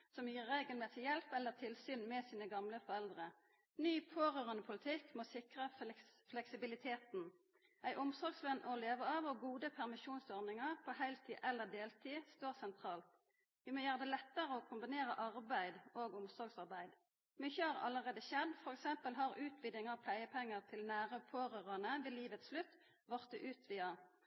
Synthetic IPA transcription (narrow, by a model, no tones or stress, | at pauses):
sɔmjiːʁeːɡəlmeːsɪjɛlpɛlːəʁt̪ʰɪlsyːnmɛsiːnəɡɑmləfɔɾɛld̪ʁə | nyːpʰoːʁøːʁənəpʰʊlɪt̪ʰɪkːmɔsɪkʁəflɛksɪbɪlɪt̪ʰeːt̪n | æɪʔʊmsɔɾɡsʋœnːʔɔleːʋəɑːʋɔɡuːd̪əpʰæʁmɪʃuːnsɔɾnɪŋəʁpʰɔhæɪlt̪ʰiːʔɛlːəʁd̪eːlt̪ʰiːst̪oːʁsɛnt̪ʰʁɑːlt̪ | ʋɪmoːjøːʁəd̪ɛːlɛt̪ːəʁəɔkʰʊmbɪneːʁəʔɑʁbæɪd̪oːɡʊmsɔɡsɑʁbæɪd̪ | mʏçːəhɑʁɑ̰lːəʁeːd̪əʃɛd̪fɔɾɛksɛmpəlɦɑʁʉːt̪ʰʋiːd̪ɪŋɑʁpʰlæɪəpʰɛŋːəʁt̪ʰɪlnæːʁəpʰoːɾøːʁɑnəʋɪliːʋət̪sslʉt̪ː | ʋɔʁt̪̚ɛʔʉːt̪ʰʋiːɑ